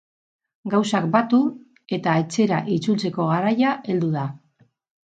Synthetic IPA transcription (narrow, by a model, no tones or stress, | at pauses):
ɡawsak̚bat̪u | e̞t̪ae̞t͡se̞ɾaʔit͡sult͡se̞ko̞ɣaɾajaʔe̞ld̪uð̞a